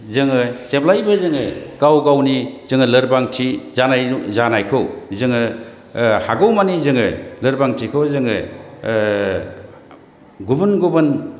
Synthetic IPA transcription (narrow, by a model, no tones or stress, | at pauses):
zɯŋɯseplajbɯzɯŋɯkawɡawnizɯŋɯlɯɾbaŋtʰizanajzanajkʰɯwzɯŋɯ | haɡɯwmanizɯŋɯlɯɾbaŋtʰikʰɯwzɯŋɯ | ɡubɯnɡubɯn